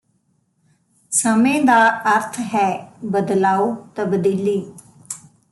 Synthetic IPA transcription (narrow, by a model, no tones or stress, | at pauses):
səmẽːd̪aːəɾt̪ʰɦɛːbəd̪laːuːt̪əbd̪iːliː